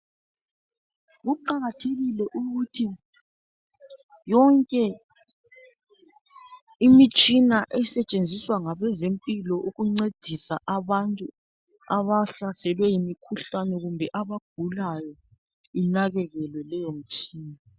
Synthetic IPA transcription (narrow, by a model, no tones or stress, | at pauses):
ɣuǃaɣatʰeɣilɛʔuɣutʰi | jɔŋkʼɛ | imit͡ʃʼinaʔɛsɛt͡ʃʼend͡zʱiswaŋaβɛzempʼilɔʔuɣuŋ͡ǀed̥ʱisaʔaβantʼu | aβaɬasɛlwɛjimikʰuɬanɛɣumbʱɛʔaβaɡ̥̚ʱulajɔ | inaɣɛɣɛlwɛlɛjom̩t͡ʃʼiːna